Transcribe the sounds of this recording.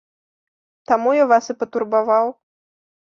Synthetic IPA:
t̪amujavasɨpɐt̪urbavaw

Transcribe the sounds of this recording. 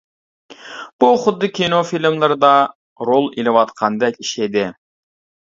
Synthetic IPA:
b̥uχʊd̪ːɨkʲʰinofilmlˠɨɾd̪ɑ | ɾolˠilɪwɑt̪qʰɑnd̪ɛkʲiʃed̪ɪ

